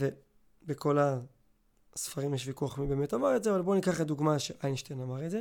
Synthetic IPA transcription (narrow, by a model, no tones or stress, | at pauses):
ve | beko̞la | sfaʁimjeʃ̬vikuaχmibemetamaʁetzeavalbo̞nikaχed̪uɡmaʃeʔajnʃtenamaʁetze